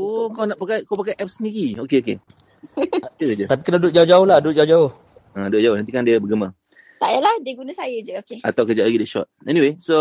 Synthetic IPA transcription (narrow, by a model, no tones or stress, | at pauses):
okawnaʔpakajkapakajʔɛp̚səndiɾiokeoke | atəd͡ʒət̪ap̬ikənadʊt̪̚d͡ʒaʊd͡ʒaʊhlahdʊt̚d͡ʒaud͡ʒaʊh | ədʊʔ̚d͡ʒaʊhnant̪ikandiəbəɡəmə | t̪aʔjəlahdiəɡunasajəd͡ʒəokeat̪awkəd͡ʒalaɡidɛʃɔ̰t̚ɛnĩweso